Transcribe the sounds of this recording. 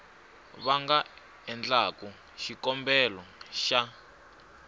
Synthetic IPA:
βaŋɡa | ɛnd͡ɮaku | ʃikɔmbɛlɔʃa

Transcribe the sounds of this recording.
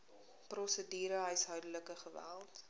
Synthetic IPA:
prɔsədiːɾəɦœɥsɦœɥdələkəχəvæ̰lˠt

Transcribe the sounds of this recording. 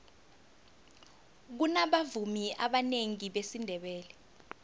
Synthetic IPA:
k̬unaɓavumiʔaɓaneŋiɓesindʱɛɓɛːlɛ

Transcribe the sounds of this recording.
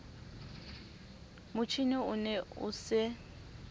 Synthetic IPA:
mʊt͡ʃʰiniʊnɛʊ̰sɪ

